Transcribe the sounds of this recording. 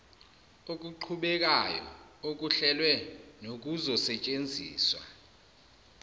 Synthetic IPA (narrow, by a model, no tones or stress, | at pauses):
ok̬ʼuǃʰuɓɛk̬ajɔ̰ok̬uɬɛlwɛnok̬ʼuzɔsɛt͡ʃʼend͡zʱḭːswa̰